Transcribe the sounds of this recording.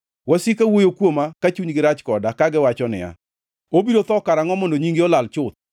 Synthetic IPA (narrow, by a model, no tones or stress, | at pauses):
wasikawojokwomakat͡ʃuɲɡɪɾat͡ʃkɔdakaɡɪwat͡ʃɔnɪ̰a̰ | obiɾot̪ɔkaɾaŋɔmondoɲiŋɡeɔlalt͡ʃʊt̪̚